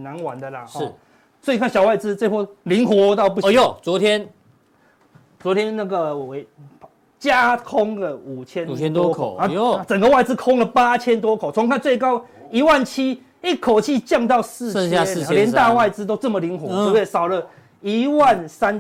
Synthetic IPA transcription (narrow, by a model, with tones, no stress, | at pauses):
na˨˦nwa̰˨˦nd̪ə˨la̰˨ɔ˥˨ | swɔ˧˥i˨˧kʰa˥˨nɕjɑ˨˩wa˥˩ɪt͡sɹ̩˦t͡se˥˧wɔ˥˩li˨˦˥ŋxwɔ˧˦t̪ɑ˥˧ʊp̬u˥˧˩jo˨˩t͡swɔ˧˦t̪ʰjɛ˦n | t͡swɔ˧˦t̪ʰjɛ˦nna˥˩ɡə˨˧˨we˨˦ɪ | t͡ɕja˦kʰɔ˦ŋlə˨u˨˩t͡ɕʰjɛ˦n˨t͡ɕʰɛ˦nt̪wɔ˦kʰo̰˨˦˨a˧˩t͡sə˨˩ŋɡə˦wa˥˧ɪt͡sɹ̩˦˥kʰɔ˦ŋlə˨pa˦t͡ɕʰjɛ˦˥nt̪wɔ˥˦kʰo˨˩t͡sʰo˧˦ŋkʰa˥˧nt͡swe˥˩ɪkɑ˥ʊ | i˧˦wa˥˨nt͡ɕʰi˥ | i˥˩kʰo˨˩ʊt͡ɕʰi˥˧t͡ɕjɑ˥˧ŋt̪ɑ˥˧ʊsɹ̩˥˧˥ŋa˥˨ɛ˧˨˧ljɛ˧˦nt̪a˥˧wa˥˧ɪt͡sɹ̩˦˥t̪̬o˥ʊt͡sə˥˩mə˨li˨˦ŋxwɔ˨˦u˧je˥˨˩sɑ˨˩ʊlə˦ | i˧˦wa˥˨nsa˦n